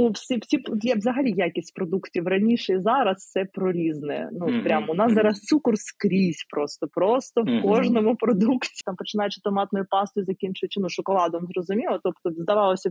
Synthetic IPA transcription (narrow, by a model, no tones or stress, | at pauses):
ufsʲifsʲipd̪lʲɛʋzɐɦɐlʲijakʲisʲtʲpɾɔd̪uktʲiʋrɐnʲiʃɛzɑɾɐssɛpɾɔɾʲiznɛ̰nupɾʲamʊnɑszɑɾɐst̪sukɔrskɾʲisʲpɾost̪ɔpɾost̪ɔʋkɔʒnɔmʊpɾɔd̪uktʲi̥t̪ɑmpɔt͡ʃɪnɑjɛt͡ʃɪt̪ɔmɑt̪nɔjʊpɑst̪ʊjzɐkʲint͡ʃʊɪt͡ʃʲɪnuʃʊkɔlˠɑd̪ʊmzɾɔzʊmʲilˠɐt̪ɔpt̪ɔzd̪ɐʋɑlˠɔsʲɐ